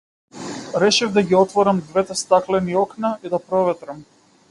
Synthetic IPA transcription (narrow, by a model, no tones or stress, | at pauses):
ɾɛʃɛvd̪aɡiɔt̪vɔɾamd̪vɛt̪ɛst̪aklɛniɔknaid̪apɾɔvɛt̪ɾam